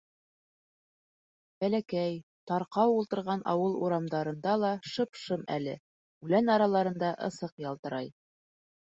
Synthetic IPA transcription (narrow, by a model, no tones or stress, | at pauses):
b̥ælækæjt̪ɑɾqɑwulˠt̪ɤ̆ɾʁɑnʔɑ̰wɤlˠuɾɑmd̪ɑɾɤ̆nd̪ɑlˠɑʃɤ̆pʃɤmæ̰lɘ̰ | ʉlænɑɾɑlˠɑɾɤ̆nd̪ɑʔɤ̰̆sɤqjɑlˠt̪ɤ̆ɾɑj